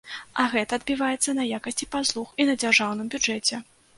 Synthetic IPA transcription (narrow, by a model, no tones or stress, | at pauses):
ɐɣɛt̪ɐːd̪̚bʲivajɛt̪sːɐnɐjakɐsʲt͡sʲipaslˠuxinɐd͡zʲarʐawn̪ɨmbʲud͡ʐɛt͡sʲɛ